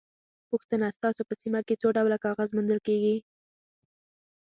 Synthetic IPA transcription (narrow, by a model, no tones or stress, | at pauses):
puxt̪ənast̪ɑsopəsimaket͡soɖawlakɑɣazmʊnd̪əlkeɡi